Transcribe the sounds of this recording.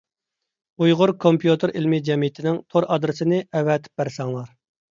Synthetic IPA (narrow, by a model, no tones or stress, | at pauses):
ujʁʊɾkʰompʰjut̪ʰɨɾʔilmɪd͡ʒɛmijɪt̪ʰɪnɪŋt̪ʰoɾɑd̪ɾɨsɪnɪɛwɛt̪ʰɪ̥p̚bæɾsɑŋlˠɑɾ